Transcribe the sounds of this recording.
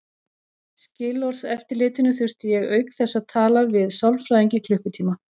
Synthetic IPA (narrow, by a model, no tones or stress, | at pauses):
scɪːlɔɾ̥sɛft̪ɪɾlɪːt̪ɪnʏθʏr̥t̪ɪjɛɣœːɥkθɛsːaðt̪ʰaːlavɪðsawlfɾajðiɲcɪkʰlʏhkʏt̪ʰiːma